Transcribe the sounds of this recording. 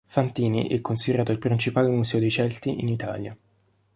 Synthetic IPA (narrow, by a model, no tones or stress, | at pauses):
fant̪iːnḭʔɛkːonsid̪eɾaːt̪oilpɾint͡ʃipaːlemusɛːod̪ejt͡ʃɛlt̪iʔinit̪a̰ːlja